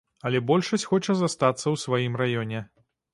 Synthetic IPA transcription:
ɐlʲɛbɔlʲʂɐsʲxɔt͡ʂɐzast̪at̪sːɐwsvajimrajɔnʲɛ

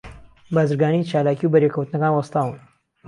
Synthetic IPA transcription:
baːzɨɾɡaːnijt͡ʃaːlaːkiubɐɾekʰɐwt̪ɨnɐkaːnwɐst̪aːwɨn

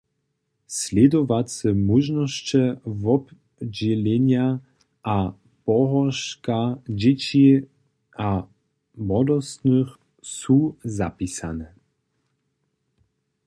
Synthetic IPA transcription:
slʲɛd̪ɔvat͡sɛmuʒnɔʃt͡ɕɛvɔb | d͡ʑɛlɛɲja | a | pɔɦɔʃkad͡ʑɛt͡ɕi | a | mɔd̪ɔst̪nɨx | suzapisa̰nɛ

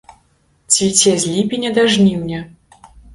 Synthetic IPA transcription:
t͡sʲvʲit͡sʲɛzʲlʲipʲinʲɛd̪aʐnʲiwnʲɛ

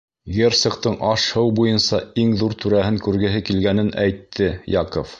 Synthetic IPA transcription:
ɡʲert̪sŏqt̪ɤɴʔɑʃhɤwbujɤnsɑiŋðuɾt̪ʉɾæɦɘŋkʉɾɡɘ̆ɦɘkilɡænɘnæjt̪ʰːɘjɑqof

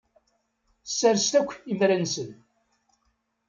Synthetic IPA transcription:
sːæɾst̪ækʷːimɾænsən

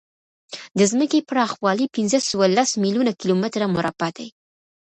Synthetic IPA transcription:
d̪əzməkepɾɑxwɑlipɪnzəsəwalasmilunakilomɪt̪ɾamʊɾabad̪aj

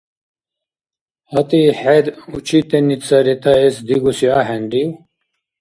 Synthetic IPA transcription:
hɐt̪iħed̪ut͡ɕʰit̪enit͡saɾit̪aesd̪iɡusiaɦeɳɖiw

